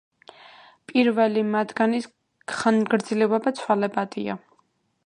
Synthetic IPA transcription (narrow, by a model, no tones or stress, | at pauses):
pʼiɾvɛlimad̪ɡanis | χanɡɾd̪zilɛvabat̪sʰwalɛbad̪ʼia̰